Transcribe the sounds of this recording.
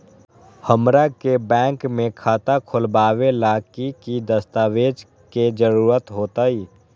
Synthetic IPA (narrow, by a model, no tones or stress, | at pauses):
həmɾakebɛ̃ːŋkmẽkʰaːt̪akʰʊlbaːʋelaːkikid̪əst̪aːʋeːd͡ʒ | ked͡ʒəɾuːɾət̪ɦoːt̪aiː